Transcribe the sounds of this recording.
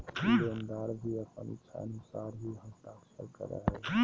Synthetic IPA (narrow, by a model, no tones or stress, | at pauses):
ond̪aːɾbʱiəpənɪ̰t͡ʃʰa̰ənʊsaːɾɦiɦət̪aːkt͡ʃʰəɾkə̰ɾə̰ɦɛ